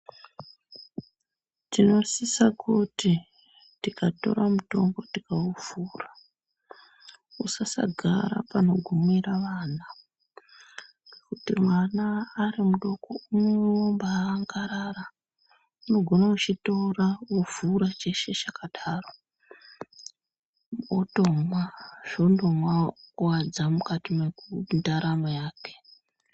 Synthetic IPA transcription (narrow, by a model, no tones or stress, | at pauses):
tino̞sisakuti | tikato̞̰ɾamuto̞̰mbo̞tikauvuːra | usasa̰ɡʱa̰ɾa̰pano̞ɡʱumiɾaʋaːna | kutimwanaːɾimuɗo̞kounewombaŋɡaɾara | uno̞ɡʱo̞naut͡ʃito̞rauvuɾat͡ʃe̞ʃe̞t͡ʃakaɗaːro | oto̞mwaʐ̥o̞ndomwawad͡zamukatimekundaɾamajaːke̥